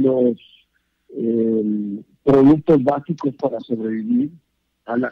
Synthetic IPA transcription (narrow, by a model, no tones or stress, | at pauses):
los | em | pɾoðuk̚t̪ozβasiko̞spaɾaso̞βɾeβiβiɾ | ala